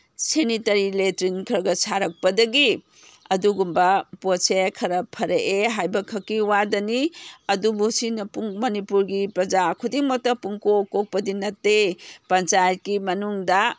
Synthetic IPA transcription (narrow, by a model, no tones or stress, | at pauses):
senitɐɾiletɾinkʰɾɐɡɐsʰaɾɐk̚pɐdɐɡi | ɐduɡumbɐposekʰɐɾɐpʰɐɾɐʔeɦajbɐkʰɐkːiwadɐniɐdubusinɐpuŋmɐnipuɾɡipɾɐd͡ʒakʰudiŋmɐk̚tɐpuŋkokːok̚pɐdinɐtːepɐnt͡ʃajɐt̚kimɐnuŋdɐ